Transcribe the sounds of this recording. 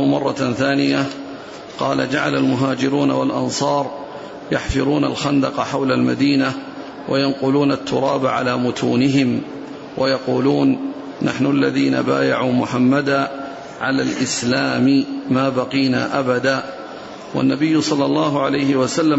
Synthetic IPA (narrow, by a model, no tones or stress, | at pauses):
mɑrˤːɑθaːnɪja | qɑːla̰d͡ʒaʕa̰lalmʊɦaːd͡ʒɪɾuːna̰walʔɑ̰nsˤɑːɾˤ | jaħfɨɾˤuːna̰lxand̪ɑqɑħawlalma̰d̪iːna | wʔa̰janqʊluːnat̪ːʊɾˤɑːbaʕa̰laːmʊt̪ʰuːnɪɦɪm | wajɑquːluːnː | a̰ħnʊʔalːaðiːna̰baːja̰ʕuːmʊħamːad̪aː | ʕalaːlʔɪslaːmɪmaːbɑqiːna̰ːʔabad̪aː | wa̰nːabɪjːʊsˤɑlːɑlˤːɑːɦʊʕalajhɪwasalːa